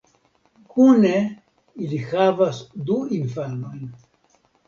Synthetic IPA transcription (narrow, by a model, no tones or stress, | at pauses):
kʰune | ilihavasd̪uinfano̞jn